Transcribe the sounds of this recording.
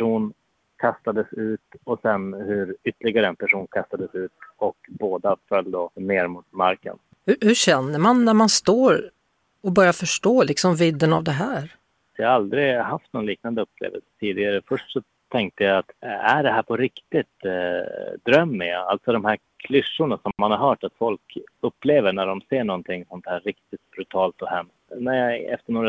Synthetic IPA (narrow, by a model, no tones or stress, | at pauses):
ʂuːn | kʰast̪ad̪əsʉ̟ːt̪ɔsɛnhɵɾʏt̪ːəlɪɡaɾəɛnpʰæʂuːnkʰast̪ad̪əsʉ̟ːt̪ɔkboːd̪afœlːd̪oneːɾmut̪maɾkə̰n | hɵhɵɕɛnːəmanːæɾmanst̪oːɾ | ɔbœɾjafœʂʈoːlɪksɔmvɪd̪ːənavd̪ɛɦæːɾ | sɔjaald̪ɾɪɦaft̪̚nɔnliːk̚nand̪əɵpːlḛːvə̰lsə̥t̪ʰiːd̪ɪɡaɾəfœʂʈsɔ | t̪ʰɛŋk̚t̪əjajat̪æɖɛɦæːɾpʰɔɾɪkt̪ɪt̪ | d̪ɾœmːɛja̰a̰lt̪sɔd̪ɔmhæɾkʰlʏʂːʊɳasɔmːanhaɾɦœːʈat̪fɔlkɵpːleːvəɳæɖɔmseːɳɔnt̪ʰɪŋːsɔnt̪hæːɾːɪkt̪ɪt̪̚bɾʉt̪ʰɑːlt̪ɔhɛmst̪næɾjaɛft̪əɳoːɾa